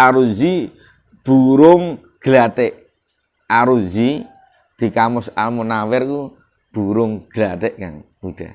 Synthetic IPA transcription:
aɾuzi | b̥uɾʊŋ | ɡ̥lat̪ɛʔ | aɾuzi | d̪̥i̤kamʊsa̰lmunawɛrku | b̥uɾʊŋɡ̥lat̪ɛʔka̰ŋb̥uɖ̥a̰

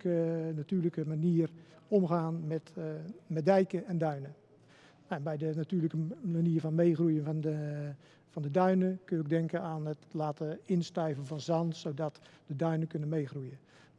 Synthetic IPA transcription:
kənatyːrləkəmaniːər | omχaːnmɛtmɛt̚dɛjkəɛndœɥnə | ɛnbɛjdənatyːrləkəmaniəvɔnmejχrujənnə | fɔndədœɥnəkønɪɡ̚dɛŋkəaːnətlaːtəɪnstœɥvənvɔnzɑnsodɔtdədœɥnəkønənmeːxrujə

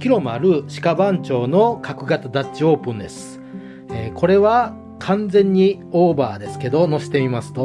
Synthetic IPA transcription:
kʲiɾo̞mɯa̰ɾɯ̟ɕi̥kabãɲ̟t͡ɕo̞ːno̞kʰakɯ̟ɡatt͡sɨd̪at͡ɕio̞ːpɯ̟̃nd̪e̞sɨ̥ | eːkʰo̞ɾe̞βa | kʰãnd͡zẽ̞ɲ̟ːi | oːbaːd̪e̞sɨ̥ke̞d̪o̞no̞ɕi̥t̪e̞imasɨ̥t̪o̞

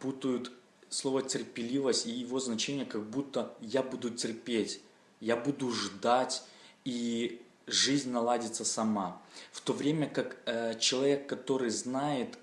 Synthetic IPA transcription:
put̪əjʊt̪ | slˠo̞vətʲɪrpʲɪlʲivəsʲtʲijɪvo̞znɐt͡ɕenʲɪjəkɐɡ̚but̪ːəjabud̪ʊtʲɪrpʲetʲ | jabud̪ʊʐd̪atʲi | ʐɨzʲnʲnɐlˠadʲɪt̪səsɐmaft̪o̞vɾʲemʲəkakt͡ɕɪlˠɐvʲe̞kːɐt̪o̞ɾɨjznajɪt̪

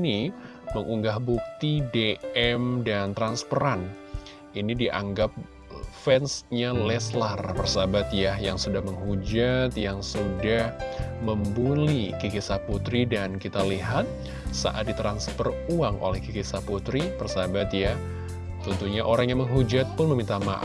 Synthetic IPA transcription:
ni | məŋuŋɡahbuk̚t̪ideɛmdant̪ɾanspəɾan | inidiʔa̰ŋɡap̚ | fɛnsɲalɛslarpərsabat̪jajaŋsudahməŋɦud͡ʒat̪jaŋsudahməmbulikikisaput̪ɾidankit̪aliɦat̪̚ | sa̰ʔat̪̚dit̪ɾanspəruaŋʔo̰lɛhkikisaput̪ɾipərsabat̪ja | t̪ənt̪uɲaʔoɾaŋjaŋməŋɦud͡ʒat̪̚pʊnməmint̪ama̰

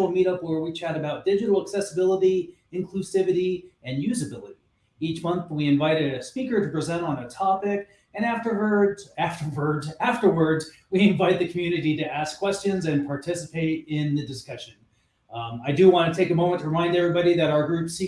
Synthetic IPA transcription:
l̩ˠmiɾʌpwə˞wit͡ʃʰæɾɨbaʊt̚d̥ɪd͡ʒɨɾl̩ˠəksɛsəbɪlˠəɾi | ɨ̃nkʰl̥ʉsɪvɨɾiɨ̃njʉzɨbɪlˠɨɾi | it͡ʃmʌ̃nθwiɨ̃ɱvaɪɾɨɨspikə˞ɾɨpɹ̥ɨzɛ̃ñn̩ɨtʰɑpɪk | ɨ̃næftə˞wə˞dæftə˞wə˞dæftə˞wə˞dz | wiɨ̃ɱvaɪt̪̚ðɨkʰmjʉnɨɾiɾɨæskʰw̥ɛst͡ʃɨ̃nzɨ̃npʰɑɹtʰɪsɨpʰeɪɾɪ̃nðɨdɨskʌʃɨ̃n | aɪdɨwɑ̃ntɨtʰeɪkɨəmõʊ̃mɨ̃ntʰəɹəmãɪ̃ndɛvɹibɑɾiðɨɾaʊə˞ɡɹʉpsi

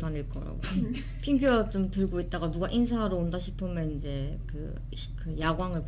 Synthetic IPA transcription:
pʰaniɭk͈ʌ̰ɾa̰ɡo | pʰiŋɡuʌt͡ɕ͈omtɯɭɡoit̚t͈aɡamuɡaʔinsʰaɾoondaɕʰipʰɯmjʌnind͡ʑe̞kɯ̰ | kɯjaɡwaŋɯɭp

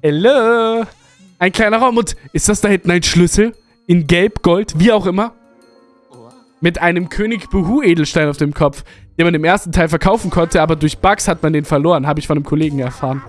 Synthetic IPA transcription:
ɛlo | ʔaɪnkl̥aɪnɐʁaʊmʊntʔɪstd̥asd̥ahɪntn̩aɪnʃlʏsl̩ | ʔɪnɡɛlpɡ̥ɔltv̥iːaʊxʔɪmɐ | mɪtʔaɪnəmkʰøːnɪçb̥uɦuːʔeːdl̩ʃtaɪnaʊfd̥eːmkʰɔp͡fd̥eːnmanɪmʔeːɐstn̩tʰaɪlfɛɐkʰaʊfn̩kʰɔntəaːbɐdʊɐçb̥akshatmandeːnfɛɐloːʁənɦaːbəɪçfɔndəmkʰoleːɡŋ̩ɛɐfaːʁən

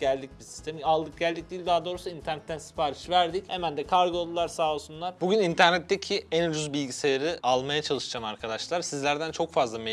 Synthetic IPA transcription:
ɟ̥ælʲd̪icbisi̥st̪ʰemialˠd̪ɯk̚ɟælʲd̪ic̚d̪ilʲd̪aːd̪o̞ːɾusuint̪ʰæɾnɛt̪ːænsi̥paːɾiʃvæɾd̪ichemænd̪ɛkʰaɾɡɯolˠulˠaɾsaːlˠsunlˠaɾbuɟynint̪ʰæɾnɛt̪ʰːecʰiænyɾyzbilʲɟisejeɾiʔalˠmajat͡ʃʰalˠɯʃɯd͡ʒamaɾkʰad̪aʃlˠaɾsizlʲæɾd̪ænt͡ʃʰo̞kfazlˠame

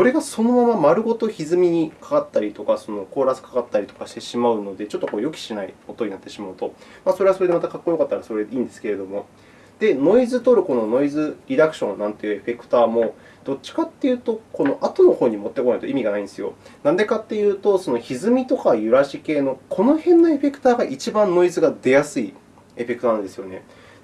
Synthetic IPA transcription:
so̞ɾe̞ɡaso̞no̞mamamaɾɯ̟ɡo̞t̪o̞çizɨmʲiɲ̟ikḁkat̪ːaɾʲit̪o̞kaso̞no̞ko̞ːɾasɨ̥kḁkat̪ːaɾʲit̪o̞̥kaɕi̥t̪e̞ɕimaɯ̟no̞d̪e̞t͡ɕo̞t̪ːo̞ko̞ːjo̞k̬ʲi̥ɕinaio̞t̪o̞ɲ̟ĩnat̪ːe̞ɕimaɯ̟t̪o̞maso̞ɾe̞aso̞ɾed̪emat̪akakːoijokat̪ːaɾaso̞ɾeĩːnd̪e̞sɨ̥ke̞ɾe̞d̪o̞mo̞ | d̪̥e̞no̞izɨt̪o̞ɾɯ̟ko̞no̞no̞izɨɾʲid̪akɯ̟ɕõ̞nːãnt̪e̞jɯ̟eɸe̞kɯ̟̥t̪aːmo̞ | d̪̥o̞t͡ɕːi̥kat̪ːe̞jɯ̟ːt̪o̞ko̞no̞ʔat̪ono̞ho̞ːɲ̟imo̞t̪ːe̞koait̪o̞imʲiɡanaĩd̪esɨjo̞̰nãnd̪e̞kat̪ːe̞jɯ̟ːt̪o̞sono̞çizɨmʲit̪okajɯ̟ɾaɕike̞ːno̞kʰo̞no̞hẽ̞nːae̞ɸe̞kɯ̟̥t̪aːɡaʔit͡ɕibãnːo̞izɨɡad̪e̞jasɨi | e̞ɸe̞kɯt̪onãnd̪e̞sɨjo̞ne̞

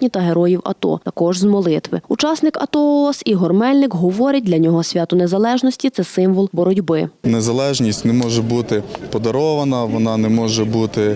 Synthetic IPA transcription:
nʲit̪ɐɦeɾɔjiwɐ̰t̪ɔ̰t̪ɐkɔʒzmɔlˠɪt̪ʋɪʊt͡ʃɑsnɪkɐ̰t̪ɔɔsiɦɔrmɛlʲnɪkɦɔʋɔɾʲɐt̚ʲdʲlʲɐnʲɔɦɔsʲʋʲat̪ʊnezɐlˠɛʒnɔsʲtʲit̪sɛsɪmʋɔlˠbɔɾɔdʲbɪnezɐlˠɛʒnʲisʲtʲnɛmɔʒɛbut̪ɪpɔd̪ɐɾɔʋɐnɐʋɔnɑnɛmɔʒɛbut̪ɪ

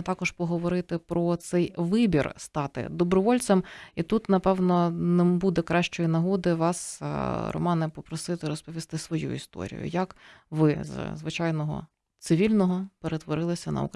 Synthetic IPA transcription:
t̪ɑkɔʒpɔɦɔʋɔɾɪt̪ɪpɾɔt̪sɛjʋɪbʲḭrst̪ɑt̪ɪ̰d̪ɔbɾɔʋɔlʲt͡s̪ɐmit̪ut̪nɐpɛwnɔnɛbud̪ɛkɾɑʃt͡ʃɔjinɐɦɔd̪ɪʋɑsɾɔ̰mɑnɪpɔpɾɔsɪt̪ɪɾɔspɔʋʲist̪ɪsʋɔjṵḭst̪ɔ̰ɾʲḭjʊ̰jɐkʋɪzzʋɪt͡ʃɑjnɔɦɔ̰ | t̪sɪʋʲilʲnɔɦɔpeɾet̪ʋɔɾɪlˠɪsʲɐnɐ̰ṵk

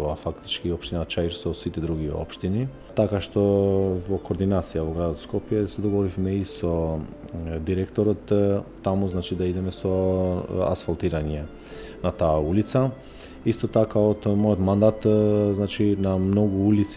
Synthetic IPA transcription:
afakt̪i̥t͡ʃkiopʃt̪inat͡ʃaiɾsosit̪ɛd̪ɾuɡio̰pʃt̪ini | t̪akaʃt̪ovokoːɾd̪inat̪sijavoɡɾad̪ot̪skɔpjɛsɛd̪oɡovɔɾifmɛiso | d̪iɾɛkt̪oɾɔt̪ː | amuznat͡ʃid̪aid̪ɛmɛso | a̰sfalˠt̪iɾaɲɛ | nat̪aːulit̪sa | ist̪ot̪akaot̪mojot̪mand̪at̪znat͡ʃinamnoɡuulit̪s

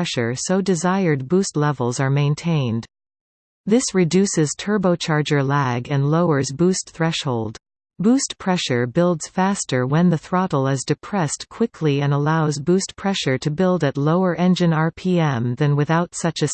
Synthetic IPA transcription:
ɛʃə˞soʊdɨzaɪə˞d̚bustˡlɛvl̩ˠzə˞mẽɪ̃ntʰẽɪ̃n | ðɪsɹɨdʉsɨz̥tʰɜ˞boʊt͡ʃʰɑɹd͡ʒə˞læɡɨ̃nloʊə˞zbustθɹɛʃhoʊlˠd | b̥ustpʰɹ̥ɛʃə˞bɪlˠdz̥fæstə˞wɨ̃nðɨθɹɑɾl̩ˠɪzdɨpʰɹ̥ɛstkʰw̥ɪkʰliɨ̃nəlaʊzbustpʰɹ̥ɛʃə˞ɾɨbɪlˠdɨtˡloʊə˞ʔɛ̃nd͡ʒɨ̃nɑɹpʰiɛ̃mðɨ̃nwɨθaʊtsʌt͡ʃɨ

